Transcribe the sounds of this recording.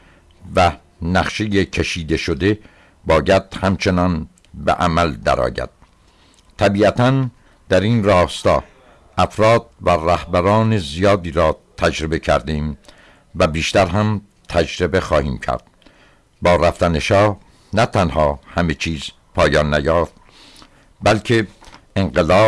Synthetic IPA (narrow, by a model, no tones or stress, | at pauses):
væ | næχʃejecʰeʃiːd̪e̞ʃod̪e̞ | bɒːjæd̪̥hæmt͡ʃʰe̞nɒn | bḛʔæmæld̪æ̰ɾɒ̰ːjæ̰d̪̥̚ | t̪ʰæbiːæt̪ʰæn | d̪̥æɾiːnrɒːst̪ɒː | ʔæfɾɒːd̪̥̚væræhbæɾɒːne̞zijɒːd̪iːɾɒːt̪ʰæd͡ʒɾebe̞cʰæ̰ɾd̪eːm | væbiːʃt̪æɾɦæm | t̪ʰæd͡ʒɾebe̞xɒːhiːmcʰæ̰ɾd̪̥̚ | bɒːɾæft̪æneʃɒːh | næt̪ʰænhɒːhæme̞t͡ʃʰiːz̥ | pʰɒːjɒːnːæjɒːft̪̚ | bælkʰe̞eŋɢelɒː